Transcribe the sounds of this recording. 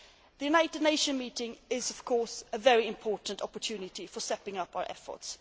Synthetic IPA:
ðɨjʉnaɪtɨdⁿneɪʃə̃nmitɪ̃ŋɪzʌv̥kʰɔɹsəvɛɹiɪ̃mpʰɔɹʔn̩tɑpə˞tʰʉnɪtifə˞sɛpɪ̃ŋʌpaʊə̰˞ʔɛfə̰˞ts

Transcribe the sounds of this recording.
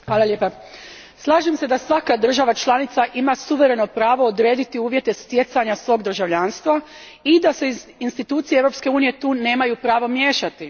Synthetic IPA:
xʋaːlˠaljeːpa | slˠaːʒemse̞d̪asʋakad̪r̩ʒaʋat͡ʃlanit̪saʔimasuʋe̞ɾe̞no̞pɾaːʋo̞od̪ɾe̞ːd̪it̪iuːʋje̞t̪est̪je̞t̪saɲasʋo̞ːɡd̪r̩ʒaʋʎaːnst̪ʋa | id̪ase̞inst̪it̪uːt̪sijeeʋɾo̞pske̞uːnije̞t̪uːne̞ːmajupɾaːʋo̞mje̞ːʃat̪i

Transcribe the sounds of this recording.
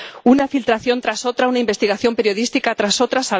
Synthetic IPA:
unafilt̪ɾaθjo̞nt̪ɾaso̞t̪ɾaunaimbe̞st̪iɣaθjo̞mpe̞ɾjo̞ðist̪ikat̪ɾaso̞t̪ɾasaβ

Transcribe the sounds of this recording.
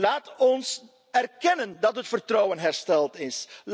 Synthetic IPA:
laːtɔns | ɛrkɛnəndɑtɦətfərtroːwənɦɛrstɛlˠtɪsl

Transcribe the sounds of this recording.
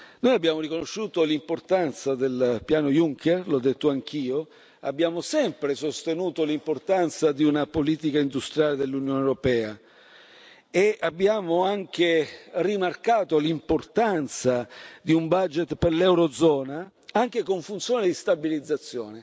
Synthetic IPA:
noːjabːjaːmorikonoʃːuːt̪olimport̪ant̪sad̪elpjaːnojuŋkʰɛrlɔd̪ːet̪ːoaŋk̟iːo | abːjaːmosɛmpɾesost̪enuːt̪olimport̪ant̪sad̪iunapoliːt̪̬ikaind̪ust̪ɾjaːled̪elːunjoːneɾopɛːa | eabːjaːmoaŋk̟erimarkaːt̪olimport̪ant̪sad̪iumbad͡ʒet̪perlɛwɾod̪zɔːna | aŋk̟ekoɱfunt̪sjoːned̪ist̪abilid̪zːat̪sːjɔ̰ːne

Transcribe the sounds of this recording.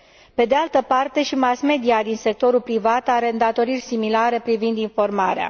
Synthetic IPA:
pe̞d̪ealt̪əpart̪e̞ʃimasme̞d̪iad̪inse̞k̚t̪o̞ɾulpɾivat̪aɾe̞ɨnd̪at̪o̞ɾirʲsimilaɾe̞pɾivind̪info̞rmaɾea̰

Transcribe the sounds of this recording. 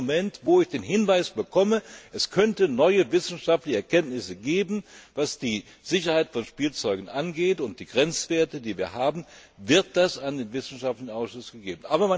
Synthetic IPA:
mɛntv̥oːɪçd̥eːnɦɪnvaɪsb̥əkʰɔməʔɛskʰœntənɔʏəvɪsn̩ʃaftlɪçəɛɐkʰɛntnɪsəɡeːbm̩vasd̥iː | z̥ɪçɐhaɪtfɔnʃpiːlt͡sɔʏɡn̩ʔanɡeːtʊnt̚d̥iːɡ̥ʁɛnt͡sv̥eːɐtədiːviːɐɦaːbm̩vɪɐt̚d̥asandeːnvɪsn̩ʃaftlɪçnaʊsʃʊsɡ̥əɡeːbn̩ʔaːbɐma

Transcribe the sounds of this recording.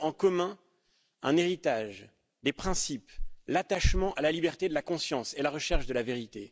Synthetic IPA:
ɑ̃kɔmɛ̃ | ɛ̰̃neʁit̪aʒ | d̪epχɛ̃siplat̪aʃmɑ̃ʔalalibɛʁt̪ed̪əlakɔ̃sjɑ̃selaʁəʃɛʁʃd̪əlaveʁit̪e

